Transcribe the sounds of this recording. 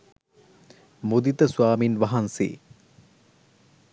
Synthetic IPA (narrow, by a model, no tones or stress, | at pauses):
mud̪it̪əsuaːminʋaɦansḛː